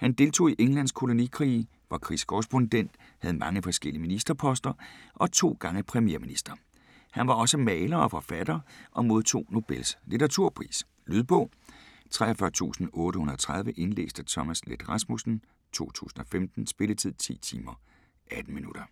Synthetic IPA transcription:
hænd̥e̝lt͡sʰo̝̰ːiʔeŋlæn̰skʰo̝lo̝nikʰʁḭː | ʋɑ̈kʰʁḭskʰɔʁɛsb̥o̝nd̥en̰d̥ | hæð̞̩ˠmʔɑ̈ŋəfɒ̽sɡ̥el̰iminisd̥ɐpʰɒ̽sd̥ɐʔɒ̽t͡sʰo̝̰ːɡ̥ɑ̈ŋəpʰʁɛmje̝ɐminisd̥ɐ | hænʋɑ̈ɒ̽səmɛːlɐɒ̽fɒ̽fæd̥ɐʔɒ̽mo̝ð̞ˠt͡sʰo̝̰ːno̝b̥elslit͡sʰɐʁɑt͡sʰuɐ̰pʰʁḭːs | lyð̞ˠb̥ɔ̽ː | t͡sʰʁɛɒfɶɐt͡sʰṵːsn̩ɔ̽ːɾəhunɐɒt͡sʰʁɑ̈ð̞ˠʋəʔe̝nlḛːsd̥ət͡sʰɒ̽mæsled̥ʁɑ̈smusn̩ | t͡sʰo̝̰ːt͡sʰṵːsn̩ɒ̽femd̥n̩sb̥e̝lət͡sʰið̞̰ˠt͡sʰḭːt͡sʰḭːmɐ | ʔæd̥n̩minuɾ̥ɐ

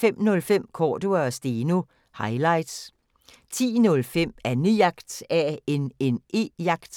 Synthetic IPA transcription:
em̰nɔ̽lfem̰kʰɒːd̥uɐsd̥eːnu | hɑ̈ɪlɑ̈ɪ̰d̥s | t͡sʰḭːnɔ̽lfem̰ænyjɑ̈ɡ̥d̥æe̝ne̝ne̝̰jɑ̈ɡ̥d̥

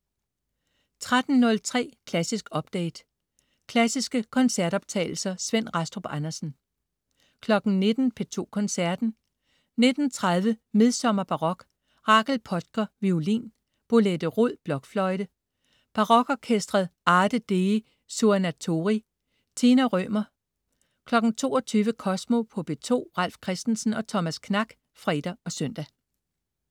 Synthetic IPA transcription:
t͡sʰʁad̥n̩nɔ̽lt͡sʰʁɛ̰ːkʰlæsisɡ̥ɒ̽b̥̚d̥ɛ̰ːd̥ | kʰlæsisɡ̥əkʰɒ̽nsæɐɾ̥ɒ̽b̥̚t͡sʰɛ̰ɪl̩sɐsʋen̰ʁɑsd̥ʁob̥ænɐsn̩ | kʰlɒ̽ɡ̥n̩ne̝d̥n̩pʰe̝t͡sʰo̝̰ːkʰɒ̽nsæɐd̥n̩ | ne̝d̥n̩t͡sʰʁað̞ˠʋəme̝ð̞ˠsɒ̽mɐb̥ɑ̈ʁɒ̽ɡ̥ | ʁɑ̈ːɡ̥lpʰɒ̽d̥̚ɡ̥ɐʋiulḭn | b̥o̝led̥əʁoð̰ˠb̥lɒ̽ɡ̥flɒ̽ɪd̥ə | b̥ɑ̈ʁɒ̽ɡ̥ɒkʰesd̥ʁɐðˠɑ̈ːd̥əd̥e | sunæt͡sʰo̝ʁi | t͡sʰenæʁœ̰ːmɐ | kʰlɒ̽ɡ̥n̩t͡sʰo̝̰ːɒ̽t͡sʰyːʋəkʰɒ̽smo̝pʰɒ̽b̥e̝t͡sʰo̝̰ːʁɑl̰fkʰʁɛsd̥n̩sn̩ɒ̽t͡sʰɒ̽mæskʰnɑ̈ɡ̥ | fʁɛd̥ɐɒ̽sœn̰d̥æ

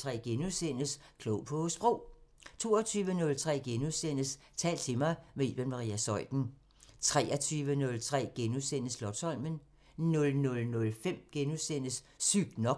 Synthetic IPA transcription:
t͡sʰʁɛ̰ːɡ̥enusen̰əskʰloʊpʰɒ̽sb̥ʁoʊ̰t͡sʰo̝ːɐt͡sʰyːʋənɔ̽lt͡sʰʁɛ̰ːɡ̥enusen̰əs | t͡sʰɛ̰ːld̥̚t͡sʰe̝mɑ̈ɪʋeḛb̥enmɑ̈ʁḭæsɒ̽ɪd̥n̩ | t͡sʰʁɛːʔɐt͡sʰyːʋənɔ̽lt͡sʰʁɛ̰ːɡ̥enusenəslɒ̽d̥sɒ̽lmən | nɔ̽lnɔ̽lnɔ̽lfem̰ɡ̥enusen̰əs | syɡ̥nɒ̽

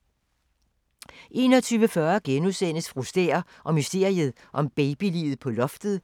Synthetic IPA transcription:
ʔe̝ːnɒt͡sʰyːʋəfɶɐɡ̥enuðˠsen̰əsfʁusd̥ḛːɐ | ʔɒ̽mysd̥e̝ɐ̰iəð̞̩ˠ | ʔɒ̽mb̥ɛɪb̥ilḭːð̞̩ˠpʰɒ̽lɒ̽fd̥ð̩ˠ

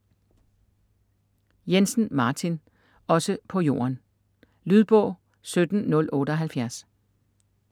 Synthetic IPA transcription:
jensn̩mɑ̈ːt͡sʰin | ɒ̽səpʰɒ̽jo̝̰ːɐn | lyð̞ˠb̥ɔ̽ʊ̰ | sød̥n̩nɔ̽lɔ̽ːɾ̥əɒɦælfjæɐs

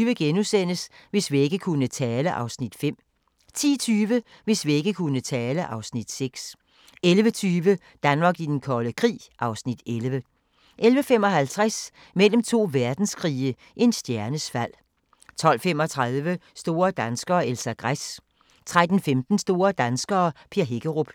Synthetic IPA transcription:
yʋəɡ̥enusen̰əsʋe̝sʋie̝ɡ̥əkʰunət͡sʰɛːləʔɑ̈ʊsnid̥fem̰ | t͡sʰḭːt͡sʰyːʋə | ʋe̝sʋie̝ɡ̥əkʰunət͡sʰɛːləʔɑ̈ʊsnid̥seɡ̥s | elʋət͡sʰyːʋə | d̥ænmɑ̈ːɡ̥id̥enkʰɒləkʰʁḭːʔɑ̈ʊsnid̥elʋə | ʔelʋəfem̰ɒ̽hælt͡sʰʁas | mel̰m̩t͡sʰo̝̰ːʋæɐd̥n̩skʰʁiːə | ʔe̝nsd̥jæɐnəsfæl̰ | t͡sʰɒ̽l̰fem̰ɒ̽t͡sʰʁaðˠʋəsd̥o̝ːɐd̥ænsɡ̥ɐːelsæɡ̥ʁas | t͡sʰʁad̥n̩femd̥n̩sd̥o̝ːɐd̥ænsɡ̥ɐːpʰeɐɦe̝ɡ̥əʁob̥

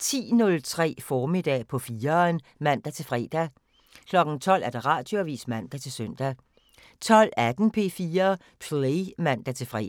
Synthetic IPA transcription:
t͡sʰḭːnɔ̽lt͡sʰʁɛ̰ːfɒːmid̥ɛ̰ːpʰɒ̽fiːɐnmæn̰d̥æt͡sʰe̝lfʁɛ̰ːd̥æ | kʰlɒ̽ɡ̥n̩t͡sʰɒ̽l̰æɐd̥eʁɑ̈ːd̥joʋḭːsmæn̰d̥æt͡sʰe̝lsœn̰d̥æ | t͡sʰɒ̽l̰æd̥n̩pʰe̝ːfiːɐ | pʰlemæn̰d̥æt͡sʰe̝lfʁɛ̰

